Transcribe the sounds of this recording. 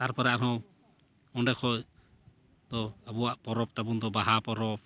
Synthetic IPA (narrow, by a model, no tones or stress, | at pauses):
t̪aɾpɔɾaʔɾɦɔ̃ | ɔɳɖɛkʰɔʔ | d̪̥ɔabɔwaʔpɔɾɔp̚t̪abund̪ɔbaɦapɔɾɔp̚